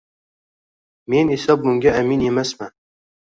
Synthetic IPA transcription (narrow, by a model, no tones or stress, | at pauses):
menesæbuŋɡʲɛæminjemæsmæ